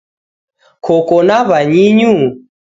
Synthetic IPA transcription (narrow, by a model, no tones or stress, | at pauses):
kʰɔkɔnaβaɲiɲu